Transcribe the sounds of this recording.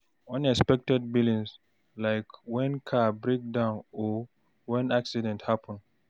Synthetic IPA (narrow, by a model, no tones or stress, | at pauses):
ʌ̃nɛkspɛk̚tɛd̚bilĩŋs | laɪkwɛ̃nkʰabɹek̚dãʊ̃nɔ | wɛ̃naksidɛ̃nthapə̃n